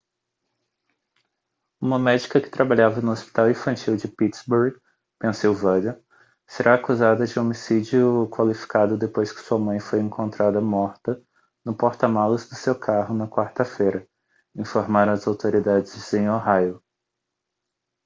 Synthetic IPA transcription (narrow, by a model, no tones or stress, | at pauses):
ũmɐmɛd͡ʒikɐkɪ̥t̪ɾabaʎavɐnʊospi̥t̪awĩfɐ̃nt͡ʃiwd͡ʒɪpit̪sbuɾɡ | pẽsiwvɐd̪e | seɾʔaːkuzad̪ɐd͡ʒɪomisid͡ʒiʊkwalifi̥kad̪ʊd̪epojskɪ̥suɐmɐ̃j̃fojẽŋkʰõnt̪ɾad̪ɐmɔɾt̪ɐ | nʊpoɾt̪ɐmalʊzd̪ʊsewkʰaɦʊnɐkwaɾt̪ɐfejɾɐ | ĩfoɾmaɾɐ̃ɐzawt̪oɾid̪ad͡ʒɪzẽj̃oɦajo